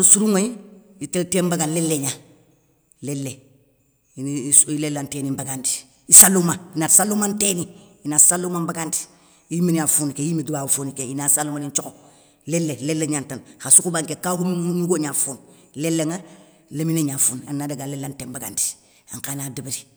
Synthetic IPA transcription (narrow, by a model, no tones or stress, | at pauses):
usuɾuŋojiiteltembaɡanlelːeɲa | lelːe | silelːantenimbaɡandi̥ | isalːumainatsalːumanteniinasalːumambaɡandi̥ | imeɲafuːnikejimedubaːfunikeinasalːumaniɲt͡ʃoko | lelːelelːeɲantanxasukubaŋkekakununuɡoɲafuːn | lelːeŋa | lemineɲafuːna̰nːadaɡalelːantembaɡa̰ndi̥ | a̰ŋkanadibiɾi